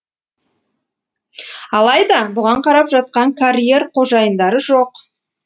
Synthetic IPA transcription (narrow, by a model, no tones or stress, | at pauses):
ɑlˠɑjd̪ɑbʊʁɑɴqʰɑɾɑpʒɑt̪̚qɑŋkʰaɾʲije̞rqʰo̞ʒɑjənd̪ɑɾəʒoq